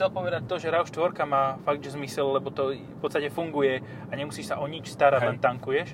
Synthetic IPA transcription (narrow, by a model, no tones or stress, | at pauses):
t͡sɛlpɔʋɛd̪ac̚t̪ɔʒɛɾaʊʃt̪ʋɔɾkamaːfaɡ̚d̪ʒɛzmisɛlːɛbɔt̪ɔfpɔt̪st̪acɛfuŋɡujɛ | aɲɛmusiːʃsaʔɔɲit͡ʃst̪aɾaɟ̪lɛnt̪aŋkujɛʃ